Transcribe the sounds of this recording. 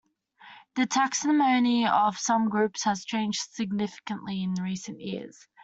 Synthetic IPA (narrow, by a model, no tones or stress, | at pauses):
ðətʰaksəmə̃ʊ̃niəv̥sʌ̃mɡɹʉˑpshəz̥t͡ʃʰẽɪ̃nd͡ʒd̥sɪɡ̚nɪfɪ̥kə̃nʔliɪ̃nɹiˑsə̃nʔjɪəz̥